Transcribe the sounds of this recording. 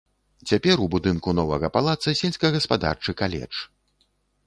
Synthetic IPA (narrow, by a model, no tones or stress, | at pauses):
t͡sʲapʲɛɾubud̪ɨnkunɔvɐɣɐpalˠat̪sɐsʲelʲsʲkɐɣɐspad̪a̰rt͡ʂɨkalʲɛ̰t͡ʂ